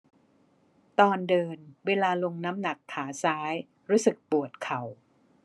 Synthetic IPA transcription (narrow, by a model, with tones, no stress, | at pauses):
t̪ɔː˧ndɤː˧nweː˧laː˧lo˧ŋna˦˥mna˨˩kʰːaː˩˦saː˦˥j | ɾuː˦˥sɯ˨˩k̚pu˨˩ət̪̚kʰa˨˩˦w